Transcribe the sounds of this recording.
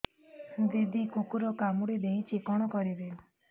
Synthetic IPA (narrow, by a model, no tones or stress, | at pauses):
d̪id̪ikukuɾɔkamuɽid̪eɦit͡ʃʰikɔɽ̃ɔkɔɾibe